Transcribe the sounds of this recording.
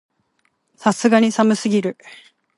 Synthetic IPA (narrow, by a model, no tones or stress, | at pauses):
sasɨɡaɲ̟isamɯ̟sɨɡʲiɾɯ̟